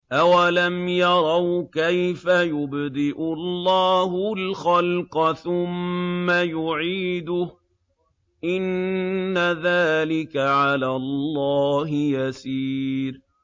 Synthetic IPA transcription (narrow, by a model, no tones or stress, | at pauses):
ʔawalamjɑɾˤɑwkajfajʊbd̪ɪʔʊlˤːɑːɦʊlxalqɑθʊmːajʊʕiːd̪ʊh | ʔɪnː | aðaːlɪkaʕalaːlˤːɑːɦɪjasiːɾ